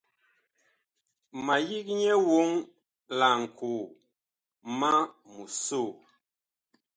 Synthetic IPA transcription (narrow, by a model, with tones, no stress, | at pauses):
ma˨ji˦k̚ɲɛ˦wo˦ŋ | la˨ŋ̩˨kʰu˨ | ma˦mu˨so˦˨